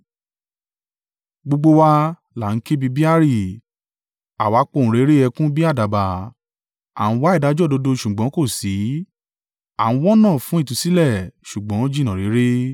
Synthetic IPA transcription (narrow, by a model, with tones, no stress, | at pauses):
ɡ͡bo˧ɡ͡bo˧wa˧ | la˨ŋ̩˦ke˦bi˧bi˦a˦ɾi˦˨ | a˨wa˨˦k͡po˦˧˨ñ̩˨ɾe˨˦ɾe˦ɛ˧kũ˦bi˦a˦˨da˨ba˨ | a̰˨ñ̩˦wa˦i˦˨da˨˦d͡ʒɔ˦˨do˧do˧ʃu˨ɡ͡bɔ̃˨˦ko˦˨si˨˦ | a˦˨ũ˦wɔ˦nãː˦˨fũ˨˦i˦˨tũ˧˦si˦lɛ˦˨ʃu˨ɡ͡bɔ̃˨˦o˦d͡ʒi˦˨nã˨ɾe˨˦ɾe˦